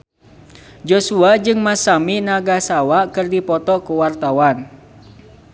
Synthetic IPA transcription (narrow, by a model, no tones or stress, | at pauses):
d͡ʒosuad͡ʒɨŋmasaminaɡahsawakɨrdipɔt̪ɔkuwart̪awan